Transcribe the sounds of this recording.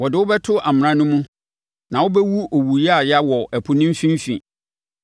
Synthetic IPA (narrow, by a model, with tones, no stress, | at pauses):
wɔ˨dɪ˨wʊ˦bɛ˦tʰʊ˦ʔa˨m̃˨ã˦nʊ̃˦mũ˦ | nã˨wʊ˦bɛ˦wu˦o˨wu˨ja˦˨ja˦wɔ˨æ˨pʰʊ˨nĩ˦m˦fĩ˦m˦fḭ̃˨